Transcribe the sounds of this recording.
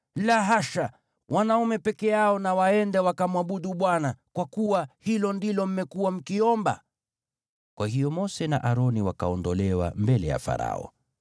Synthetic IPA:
laɦaʃa | wʔanaumɛpɛkɛaɔnawaɛndɛwakamwaɓuɗuɓwanakwakuwahilɔndilɔm̩mɛkuwam̩kiɔmba̰ | kwahijɔmɔsɛnaʔaɾɔniwaka̰ɔndɔlɛwa̰mbɛlɛja̰fa̰ɾa̰ɔ̰

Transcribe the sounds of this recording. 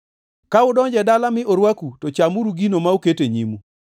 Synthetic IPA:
kaʊdɔɲd͡ʒɛdalamɪoɾwakutɔt͡ʃamuɾuɡinomauketeɲimu

